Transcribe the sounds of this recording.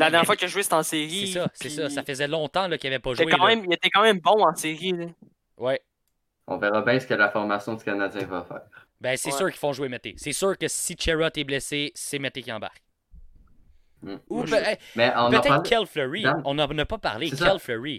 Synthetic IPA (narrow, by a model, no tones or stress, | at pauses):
lamɛʁjɛfwakjɐʒuwɪse̥t̪ɑ̃seʁissʌspɛsɔssafəzɛlɔ̃t̪ãlɔkʲijavɛpɔʒɛwekɑ̃mɛ̃mjet̪ɛkɑ̃mɛ̃mbɔ̃ɑ̃sɪʁi | wɛ | ɔ̰̃vɛʁabɛ̃sə̥kəlafɔʁmasjɔ̃d̪ykʲanad͡zjɛ̃vafɛ̰ːʁ | bɛ̃sɛsyːʁki̥fɔ̃ʒuwemɛt̪esɛsyːʁkəsit͡ʃeɹɔt̪ɛblɛsesemɛt̪ekʲiɑ̃ba̰ʁk̚ | m̩upɛɛmɛɔ̃np̪ːɛkʰɛlflʁiɔ̃nanəpʌpa̰ʁlekɛlfløʁi